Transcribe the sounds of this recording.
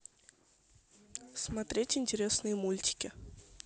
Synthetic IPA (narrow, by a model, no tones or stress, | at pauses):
smat̪ɾʲetʲɪnʲtʲɪɾʲesnɨjəmulʲtʲɪ̥kʲɪ